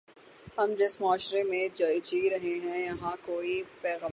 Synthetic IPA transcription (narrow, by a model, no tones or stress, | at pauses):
hɐmd͡ʒɪsmaːʃɾemẽd͡ʒɐjt͡ʃiːɾɐɦeɦɛ̃jɐɦãkoːipɛːɣə